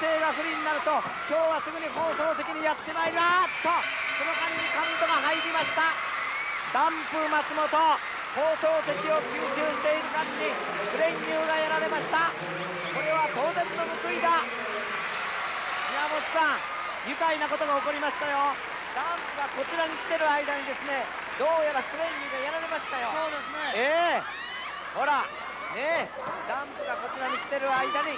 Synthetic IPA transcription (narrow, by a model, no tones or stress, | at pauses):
se̞ːɡaɸɯ̟ɾʲiɲ̟inaɾɯ̟t̪o̞ | kʲo̞ːβasɨɡɯ̟ɲ̟iho̞ːt̪o̞ːt̪e̞kʲiɲ̟ijat̪ːe̞maeɾiat̪ːo̞ | ko̞no̞kãɲʲiɲikãnt̪o̞ɡaɦaiɾʲimaɕi̥t̪a | d̪ãmpɯmat͡sɨmo̞t̪o̞ | ho̞ːt̪o̞ːt̪e̞kʲio̞kʲɨːɕɨːɕi̥t̪e̞iɾɯ̟kãɲːi | ɸɯ̟ɾẽ̞ŋkʲɨːɡajaɾaɾe̞maɕi̥t̪a | ko̞ɾe̞βat̪o̞ːzẽ̞nːo̞mɯ̟kɯid̪a | iamot͡ɕi̥sãŋ | jɯ̟kainako̞t̪o̞ɡaoko̞ɾʲimaɕi̥t̪ajo̞ | d̪̥ãmpɯɡako̞t͡ɕiɾaɲ̟ikʲi̥t̪e̞ɾɯ̟aid̪aɲ̟id̪e̞sɨne̞ | d̪o̞ːjabakɯ̟ɾẽ̞ɲʲːɨːɡajaɾaɾe̞maɕi̥t̪ajo̞sod̪esneeː | ho̞ɾa | ne̞ | d̪ãmpɯɡako̞t͡ɕiɾaɲ̟ikʲi̥t̪e̞ɾɯ̟aid̪aɲi